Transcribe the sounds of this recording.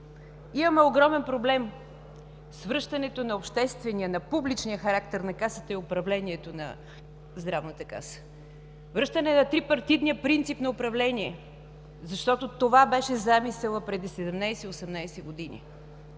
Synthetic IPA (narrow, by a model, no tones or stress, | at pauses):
imɐmɛoɡɾɔmɛnpɾoblɛm | svɾɤʃt̪ɐnɛt̪onɐopʃt̪ɛst̪vɛniənɐpublit͡ʃnijəxɐɾak̚t̪ɛɾnɐkasə̥t̪əiopɾɐvlɛniɛt̪onɐ̰ | zd̪ɾavnət̪əka̰sə̥ | vɾɤʃt̪ənɛnɐt̪ɾipɐɾt̪ivniəpɾint̪sipnɐopɾɐvlɛniɛ | zɐʃt̪ɔt̪ot̪ovabɛʃɛzamisɛlˠəpɾɛd̪isɛd̪ɛmnajsɛiosɛmnajsɛɡod̪inḭ